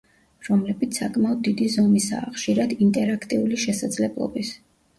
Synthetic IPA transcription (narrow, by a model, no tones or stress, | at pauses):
ɾɔmlɛbit̪sʰakʼmaɔd̪̚ːid̪izɔmisa̰ːχʃiɾad̪int̪ʼɛɾakʰt̪ʼiuliʃɛsad̪zlɛblˠɔ̰bis